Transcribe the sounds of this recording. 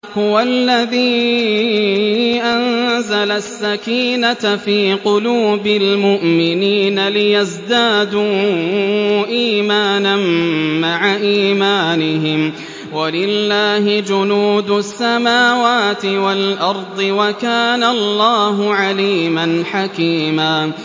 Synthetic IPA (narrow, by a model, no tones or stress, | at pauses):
hʊwalːaðiː | ʔanzalasːakiːnafiːqʊluːbɪlmʊʔmɪniːnalɪjazd̪aːd̪uː | ʔiːmaːnanmaʕaʔiːmaːnɪɦɪm | walɪlːaːhɪd͡ʒʊnuːd̪ʊsːamaːwaːt̪ɪwalʔɑɾˤd̪ˤɨwakaːnalːɑːɦʊʕaliːmanħakiːmaː